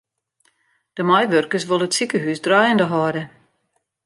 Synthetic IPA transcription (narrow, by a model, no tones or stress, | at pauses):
d̥əmajʋørkəs̬ʋolˠəətsikəɦysdrajəndəɦɔːdə